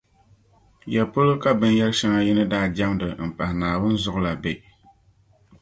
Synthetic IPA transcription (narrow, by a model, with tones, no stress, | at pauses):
jɛ˨pʊ˦lɨ˦ka˦bɨ˨njɛ˦lʃɛ˦ŋa˦ji˦nɨ˦daː˦˨d͡ʒa˦mdɨ˨m̩˨pa˨hnaː˨wʊ˦n˦zʊ˦ʔʊ˦la˨be˨